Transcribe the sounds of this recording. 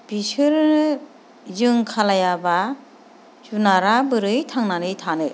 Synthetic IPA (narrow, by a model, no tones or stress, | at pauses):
bisɯɾnɯ | zɯŋkʰalajaba | sunaɾabɯɾɯjtʰaŋnanɯjtʰanɯ